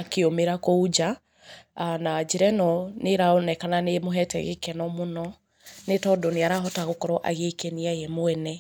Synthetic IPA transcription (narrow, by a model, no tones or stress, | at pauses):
akeomeɾakoud͡ʒa | anad͡ʒiɾɛnɔneɾaonɛkananemoɦɛtɛ̰ɣḛkɛnɔmonɔ | netɔdɔneaɾaɦɔtaɣokɔɾɔʔa̰ɣekeniajɛmoɛnɛ